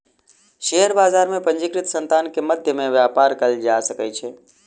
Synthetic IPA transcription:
ʃeɦəɾbaːzaːɾmẽpə̃ɲd͡ʒɪkɾɪt̪sə̃nt̪aːnkeməd̪ʱjəmẽʋjaːpaːɾkəld͡ʒasəkət͡ʃʰe

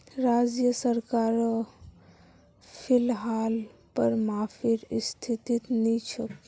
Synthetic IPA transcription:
ɾad͡ʒjəsəɾkaɾ | pʰilɦalpəɾmafʰiɾst̪ʰit̪it̪nit͡ʃʰɔk

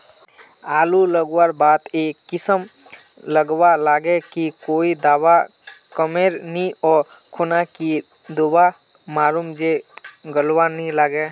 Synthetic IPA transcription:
aːluləɡwəɾbaːt̪eːkːɪsəm | ləɡwalaːɡekikoːid̪aːwa | kəmeːɾniɔːɾ | kʰʊnaki | d̪oba | maːɾumd͡ʒeɡəlwanəɦĩlaːɡe

